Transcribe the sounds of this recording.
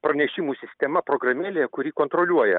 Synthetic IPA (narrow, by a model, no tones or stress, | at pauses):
pɾɐnʲɛʃʲɪmuːsʲɪsʲt̪ʲɛmɐpɾoɡɾɐmʲeːlʲekʊɾʲiːkont̪ɾolʲuɔjɛ̰